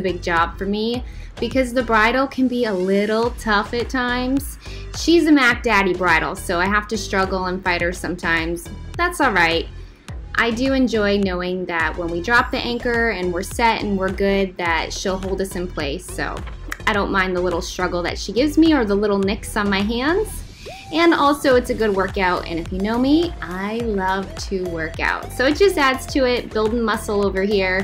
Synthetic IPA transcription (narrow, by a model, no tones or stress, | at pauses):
ɨbɪɡ̚d͡ʒɑb̥fə˞mi | b̥ɨkʰʌzðɨbɹaɪɾl̩ˠkʰɨ̃nbiəlɪɾl̩ˠtʰʌfɨtʰãɪ̃mz̥ | ʃizɨmæk̚d̥æɾibɹaɪɾl̩ˠsoʊaɪɦæftɨstɹ̥ʌɡl̩ˠə̃nfaɪɾ̚hə˞sʌ̃mtʰãɪ̃mz̥ | ðætsɔlˠɹaɪt̚ | ʔa̰ɪdɨɨ̃nd͡ʒɔɪnoʊɪ̃ŋðɨt̚wə̃nwidɹɑp̚ðiʔæ̃ŋkə˞ɨ̃nwɪɹsɛɾɨ̰̃n̩wɪɹɡʊd̪̚ðɨtʃilˠɦoʊlˠdʌsɨ̃npʰl̥eɪso̰ʊ | aɪɾõʊ̃nmãɪ̃nðəlɪɾl̩ˠstɹ̥ʌɡl̩ˠðɨ̰tʃiɡɪvzmiə˞ðəlɪɾl̩ˠnɪksn̩maɪɦæ̃ndz̥ | ɨ̃nɔlˠsoʊɨtsɨɡʊd̚wɜ˞kaʊtɨ̰̃ñɨfjɨnoʊmiʔaɪlʌv̥tʰɨwɜ˞ka̰ʊtsoʊɨt̚d̥ʒ̥ʌstædz̥tʰɨɪt̚b̥ɪlˠdɪ̃ŋmʌsl̩ˠoʊvə˞hiɹ